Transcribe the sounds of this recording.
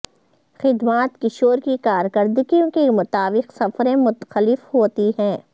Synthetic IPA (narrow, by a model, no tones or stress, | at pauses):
xɪd̪maːt̪kɪʃoːɾkikaːɾkəɾd̪ɪɡijõkemʊt̪aːbɪqsɐfɾẽmʊt̪xəlɪfɦoːt̪iɦɛ̃ː